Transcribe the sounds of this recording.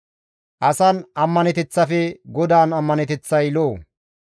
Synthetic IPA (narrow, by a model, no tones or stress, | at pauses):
ʔɐsɐnɐmːɐnɛt̪ɛt͡sːɐfɛɡɔd̪aːnɐmːɐnɛt̪ɛt͡sːɐjloː